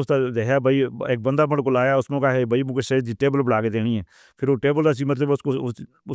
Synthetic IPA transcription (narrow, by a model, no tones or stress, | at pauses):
ʊst̪ad̪eːɦaːbəieːk̚bə̃nd̪aːməɽkolaːjaʊsmẽkaɦɛbəimʊ̃keʃeːd͡ʒiʈeːbəlbəɽaːked̪eːɽ̃ĩːɛ̃ː | pʰɪɾoːʈeːbəld̪aːs̬iːmət̪̬ləbʊsko | ʊ